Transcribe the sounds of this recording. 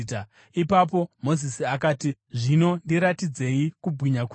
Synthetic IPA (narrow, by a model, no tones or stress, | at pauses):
ta | ipap̬o̞mo̞zisiakaːti | ʐino̞ndiɾatid͡ze̞ikubʱwiɲak